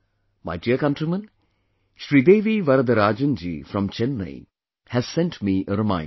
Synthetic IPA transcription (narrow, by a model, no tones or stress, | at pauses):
ma̰ɪɖiəkɐ̃nʈɾimə̃n | ʃɾid̪eːʋiʋɐɾəd̪ɐɾaːd͡ʒə̃nd͡ʒḭfɾɔ̃mt͡ʃɛ̃nːə̰ɪ | hæz̥sɛ̃nʈmiʔəɾɨmã̰ɪ̃